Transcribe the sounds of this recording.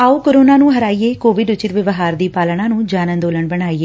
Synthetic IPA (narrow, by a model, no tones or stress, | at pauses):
aːoːkoɾoːnaːnũːɦəɾaːiːeːkoːʋɪɖʊt͡ʃɪt̪ʋɪʋɦaːɾd̪iːpaːlɳãːnũːd͡ʒaːnə̃nd̪oːləɳbəɳaːiːeː